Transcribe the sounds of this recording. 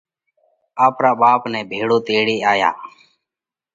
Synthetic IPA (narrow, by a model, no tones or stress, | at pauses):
aːpɾaːɓaːpnɛ̃ːbʱeːɽoːt̪eːɽeːaːja̰ː